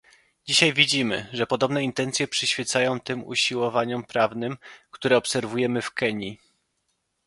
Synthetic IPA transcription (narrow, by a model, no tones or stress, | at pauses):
d͡ʑiɕajvʲid͡ʑimɘ̰ʐɛpɔd̪ɔbnɛint̪ɛnt̪sʲjɛpʂɘɕfʲjɛt̪sajɔ̃w̃t̪ɘmṵɕiwɔvaɲɔmpɾavnɘmkt̪uɾɛɔpsɛɾvujɛmɘfkɛɲi